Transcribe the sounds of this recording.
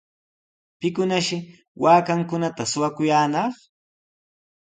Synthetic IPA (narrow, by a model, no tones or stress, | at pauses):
pɪkʊnaʃɪ | waːkaŋkʊnat̪asʊwakʊjaːnɑχ